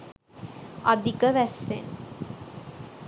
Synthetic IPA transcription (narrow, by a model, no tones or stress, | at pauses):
ɐd̪ikəʋæsːḛn